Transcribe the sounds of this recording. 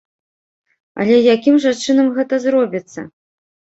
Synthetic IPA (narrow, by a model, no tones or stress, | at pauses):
ɐ̰lʲɛjakʲimʐant͡ʂɨnɐmɣɛt̪ɐzɾɔbʲit̪sːɐ̰